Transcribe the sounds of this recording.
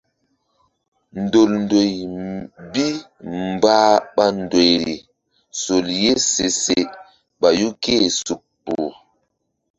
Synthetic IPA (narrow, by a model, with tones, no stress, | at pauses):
ndo˨lndo˨j | bi˦ | mbaː˦ɓa˦ndo˨jɾḭ˨ | so˨lje˦se˨se˨ | ɓa˨ju˦ke˦˨su˨kpːuː˨